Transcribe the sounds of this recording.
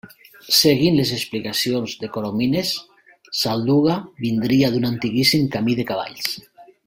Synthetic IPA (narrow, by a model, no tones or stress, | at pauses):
seɣinles̬esplikasjonzðekoɾominesː | ald̪uɣaβind̪ɾiaðunant̪iɣisimkamiðekaβa̰ʎs